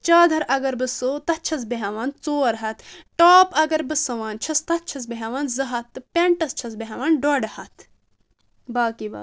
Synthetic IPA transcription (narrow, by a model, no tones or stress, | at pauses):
t͡ʃaːd̪ʱɐɾʔɐɡɐɾbɨsoːt̪ɐt͡ʃʰɐs̬beɦɐʋaːnt͡soːɾɦɐt̪ʈoːpɐɡɐɾbɨsɐʋaːnt͡ʃʰɐst̪ɐt̚t͡ʃʰɐs̬beɦɐʋaːnzɐɦɐt̪ːɨpʲeɳʈɐst͡ʃʰɐs̬beɦɐʋaːnɖɔɖɐhɐt̪ʰ | baːkiba̰ː